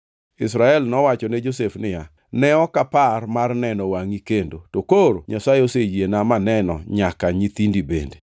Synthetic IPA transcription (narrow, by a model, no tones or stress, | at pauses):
ɪs̬ɾaɛlnɔwat͡ʃɔned͡ʒosefnɪja | nɛɔkaparmarnɛnɔwaŋikendotokoɾoɲasajosejenamanɛnɔ̰ɲakaɲit̪indibḛnde